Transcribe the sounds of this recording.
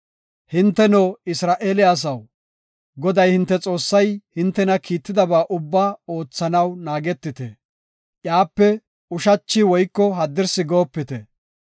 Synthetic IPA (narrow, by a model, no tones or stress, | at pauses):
hɪnt̪ːɛnoːɪsɾaːʔeːlɪjaːs̬ɐw | ɡɔd̪ɐjhɪnt̪ːɛt͡sʼo̞ːsːɐjhɪnt̪ːɛnɐkiːt̪ːɪd̪ɐbaːʔʊbːaːo̞ːt͡sːɐnɐwnaːɡɛt̪ːɪt̪ɛ̰ | ʔjaːpːɛ | ʊʃɐt͡ʃːɪwɔjkːɔɦɐd̪ːɪɾsɪɡo̞ːpːɪt̪ɛ